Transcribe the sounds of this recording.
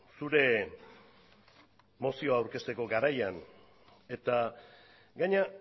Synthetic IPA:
suɾe̞ | mo̞sio̞aːwɾke̞st̪e̞ko̞ɡaɾajan | e̞t̪a | ɡaɲa

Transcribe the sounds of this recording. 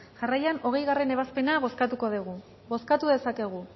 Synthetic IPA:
ʝarajano̞ɣe̞jɣare̞ne̞β̞aspe̞naβo̞skat̪uko̞ðeɣ̞u | βo̞skat̪uðe̞sake̞ɣ̞u

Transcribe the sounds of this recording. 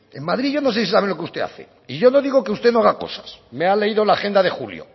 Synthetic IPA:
emmaðɾiʝo̞no̞s̬esisaβelo̞keust̪e̞̰a̰θḛ | iʝo̞no̞ðiɣ̞okeust̪e̞noaɣako̞̰sḁsmeale̞iðo̞laxe̞nd̪aðe̞xuljo̰

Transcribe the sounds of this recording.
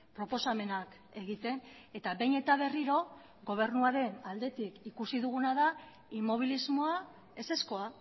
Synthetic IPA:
pɾo̞po̞same̞nak | e̞ɣit̪e̞n | e̞t̪aβe̞jne̞t̪aβ̞e̞riɾo̞ | ɣo̞β̞e̞ɾnuaɾe̞nald̪e̞t̪ikikusiðuɣ̞unaða | imo̞β̞ilizmo̞a | e̞se̞sko̞a

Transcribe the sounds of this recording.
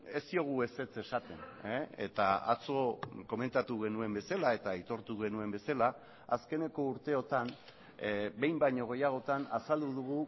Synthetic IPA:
e̞st̪io̞ɣ̞ue̞se̞t͡se̞sat̪e̞neḛt̪aa̰t͡so̞ko̞me̞nt̪at̪uɣe̞nue̞mbe̞salae̞t̪ait̪o̞ɾt̪uɣe̞nue̞mbe̞sala | aske̞ne̞ko̞uɾt̪e̞o̞t̪an | be̞jmbajɲo̞ɣ̞e̞jaɣ̞o̞t̪anasald̪uðuɣ̞u

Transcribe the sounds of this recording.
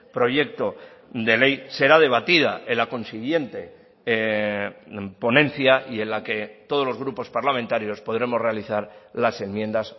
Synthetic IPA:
pɾo̞ʝe̞k̚t̪o̞ | d̪e̞le̞jse̞ɾað̞e̞β̞at̪ið̞aelako̞nsiɣje̞nt̪e̞ | po̞nẽ̞n̟θjaʔie̞nlake̞t̪oð̞o̞zlo̞zɣ̞ɾupo̞spaɾlamẽnt̪aɾjo̞spo̞ðɾe̞mo̞zre̞aliθaɾlase̞mmje̞nd̪as

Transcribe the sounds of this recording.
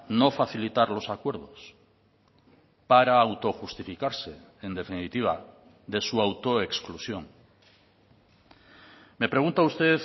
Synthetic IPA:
no̞faθilit̪aɾlo̞sakwe̞ɾðo̞s | paɾaːwt̪o̞xust̪ifikaɾseend̪e̞finit̪iβ̞a | ðe̞suawt̪o̞eksklusjo̞ŋ | me̞pɾe̞ɣ̞ũnt̪aust̪e̞θ

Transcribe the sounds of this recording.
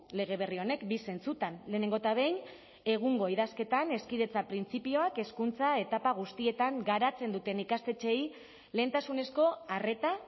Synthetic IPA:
le̞ɣ̞e̞β̞e̞rio̞ne̞kbise̞nt͡sut̪anle̞ːne̞ŋɡo̞t̪aβe̞jn | e̞ɣ̞uŋɡo̞iðaske̞t̪ane̞skiðe̞t͡sapɾint͡sipio̞ake̞skunt͡sae̞t̪apaɣ̞ust̪ie̞t̪aŋɡaɾat͡se̞nd̪ut̪e̞nikast̪e̞t͡ʃe̞j | le̞ːnt̪asune̞sko̞are̞t̪a

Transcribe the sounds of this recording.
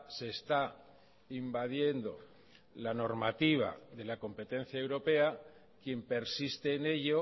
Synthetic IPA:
se̞ːst̪a | imbaðje̞nd̪o̞̰ | lano̞ɾmat̪iβ̞a̰ðe̞lako̞mpe̞t̪e̞n̟θjaewɾo̞pe̞a | kje̞mpe̞ɾsist̪e̞ːne̞ʎo

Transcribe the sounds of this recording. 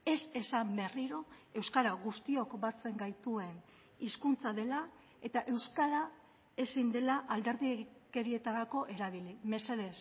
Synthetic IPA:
e̞se̞sambe̞riɾo̞e̞wskaɾaɣust̪io̞kbat͡se̞ŋɡajt̪ue̞n | iskunt͡saðe̞la | e̞t̪aʔe̞wskaɾa | e̞sind̪e̞laʔald̪e̞ɾðike̞ɾie̞t̪aɾako̞ʔe̞ɾaβ̞ilime̞seðe̞s

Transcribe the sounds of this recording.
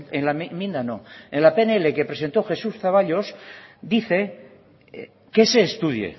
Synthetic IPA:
enlamĩnd̪anoenlapeneeleke̞pɾe̞se̞nt̪oxe̞susθaβ̞aʎosd̪iθe̞ | ke̞se̞ːst̪uðjḛ

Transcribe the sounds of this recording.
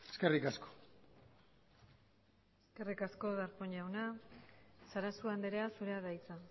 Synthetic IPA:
e̥ske̞rikasko̥ | eske̞rikasko̞ðaɾpoɲawna | saɾasuand̪eɾeasuɾe̞aðajt͡sa

